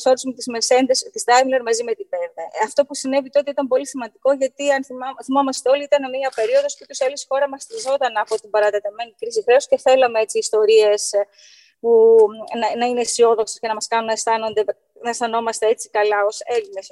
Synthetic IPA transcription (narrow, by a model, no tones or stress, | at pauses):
soɾisumet̪izmesend̪est̪ist̪ɐjvleɾmɐzime̞t̪ibeɾðɐɐft̪o̞pusine̞vit̪oo̞t̪iit̪ɐmpo̞lisimɐnd̪iko̞ʝɐt̪iɐnθimomɐst̪eo̞liit̪ɐneniɐpe̞ɾio̞ðo̞sput̪uselisxo̞ɾɐmɐst̪izo̞t̪ɐnɐpo̞t̪imbɐɾɐt̪et̪eme̞nikɾisixɾe̞osce̞θe̞lɐmeet͡siːst̪o̞ɾie̞s | punɐnɐinesio̞ðo̞ksesce̞nɐmɐskɐnunːɐst̪ɐno̞nd̪e̞ | nɐest̪ɐno̞mɐst̪e̞et͡si̥kɐlɐo̞se̞line̞s